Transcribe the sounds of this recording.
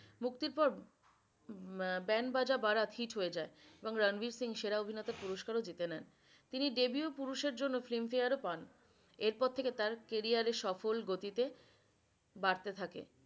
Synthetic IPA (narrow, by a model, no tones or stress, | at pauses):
muk̚t̪iɾpɔɾ | bɛnbad͡ʑabaɾat̪ʰiʈɦoed͡ʑaeeboŋɾənbiɾsiŋʃeɾaobʱinet̪aɾpuɾoʃkaɾod͡ʑit̪enɛn | t̪iniɖebiopuɾuʃeɾd͡ʑonːoflimfeaɾopan | eɾpɔɾt̪ʰeket̪aɾkeɾiaɾeʃɔfolɡot̪it̪e | baɾt̪et̪ʰakḛ